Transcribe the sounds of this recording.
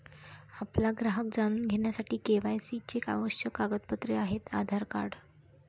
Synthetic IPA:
aplaɡɾaɦək̚d͡zaɽ̃uːnɡʱeɽjasaʈiːkeʋajsit͡ɕeka̰ʋəɕjəkaɡət̪̚pət̪ɾeaɦet̪a̰d̪ʱaɾkaɽ

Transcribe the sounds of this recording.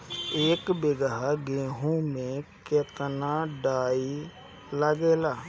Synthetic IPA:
eːkbeɡəɦaɡeːɦõmẽket̪naɖaːi | ləɡeːlaː

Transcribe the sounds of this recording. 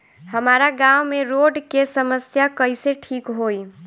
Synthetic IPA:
həmaɾaɡawmeɾoɖkesəməsjakəɪseʈʰikɦoj

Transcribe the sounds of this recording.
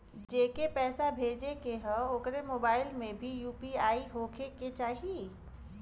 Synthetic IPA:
d͡ʒeːkepɛːsabʱeːd͡ʒekeɦə̃okɾemoːbaːɪlmẽbʱijuːpiaːiɦoːkʰeket͡ʃaːɦie

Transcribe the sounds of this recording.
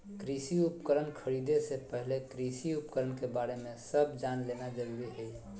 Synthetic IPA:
kɾisiupkəɾənkʰəɾid̪esepəɦlekɾisiupkəɾənkebaɾemẽsəbd͡ʒanlenad͡ʒəɾuɾiɦɛi

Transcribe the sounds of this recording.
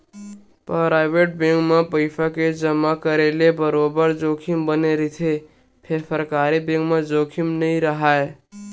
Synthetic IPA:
pɾaɾaɪbeʈ̚bẽŋɡmepəɪpʰaked͡ʒəmakəɾelebəɾobəɾd͡ʒokʰimbəneɾit̪ʰe | pʰeɾsəɾkaɾibẽŋɡmed͡ʒoːkʰimnəĩɾəɦae

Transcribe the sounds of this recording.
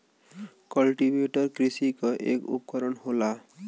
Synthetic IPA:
kɔlʈibeʈɔɾkɾisikɔʔḛkṵpɔkɔɾɔnɦola

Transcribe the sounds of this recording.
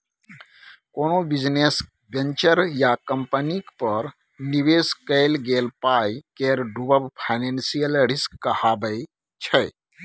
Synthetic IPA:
konobid͡ʒnes | bent͡ʃəɾjakəmpənikpəɾ | nibeskəɪlɡelpajkeɾɖubəbpʰaɪnensijəlɾiskːəhabəɪ | t͡ʃʰə

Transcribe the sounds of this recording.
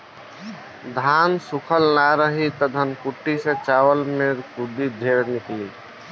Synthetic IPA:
d̪ʱansukʰəlnaɾəɦit̪ɔd̪ʱənkuʈːisẽt͡ʃaːwəlmeɾkud̪id̪ʱeɾnɪkli

